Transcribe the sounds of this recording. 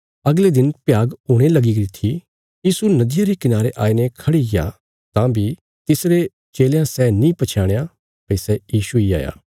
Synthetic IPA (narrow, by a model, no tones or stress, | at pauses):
ɐɡled̪ɪnpjaːɡɦʊːɽ̃elɐɡiɡɾit̪ʰi | jiːsunɐd̪ɪjaɾikɪnaːɾeʔaːinekʰɐɽiɡɪja̰ | t̪ãːbi | t̪ɪsɾe | t͡ʃeːljãsɛːnĩpɐt͡ʃʰaːɽ̃eja | pɐisɛjiːʃuia̰ːja̰ː